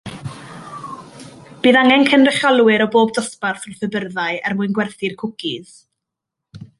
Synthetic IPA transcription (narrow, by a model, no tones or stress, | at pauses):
b̥iːðaŋɛnkʰənrɪχalˠwɪɾɔboːbdɔsparθɔθəbərðaɨɛrmuɨnɡwɛrθɪrkʰʊkʰɪð̥